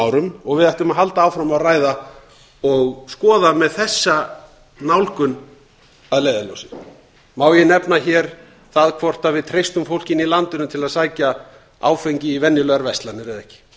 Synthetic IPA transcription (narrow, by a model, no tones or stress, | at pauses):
awɾʏmɔɣvɪðajht̪ʏmaɦalt̪aawfɾamawraːjða | ɔɣskɔːðamɛðθɛsːa | nawlkʏn | aðlejðalɔ̰wsɪ | maːwjɛnɛpnaçɛɾ̥ | θaðkʰvɔr̥t̪avɪðt̪ʰɾejst̪ʏmfowl̥cɪnilant̪ʏnʏmt̪ʰɪlaðsaːjca | a̰ːwfejɲcɪivɛnːjɪlœɣaɾvɛst̪lanɪɾɪðɛhcɪ̥